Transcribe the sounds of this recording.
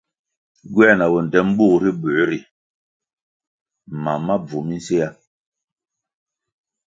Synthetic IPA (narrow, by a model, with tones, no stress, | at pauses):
ɡwɛ˦˨na˨wɔ˨n˨dɛ˦m̩˦buː˦˨ɾi˦bu˨˦ɾi˨ | ma˨ma˦b͡vu˨mi˦n˦se˦ja˦